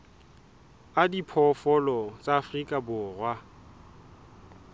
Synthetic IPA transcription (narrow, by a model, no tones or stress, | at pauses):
adipʰɔfɔlɔt͡sʼaːfrikʼabʊːrwa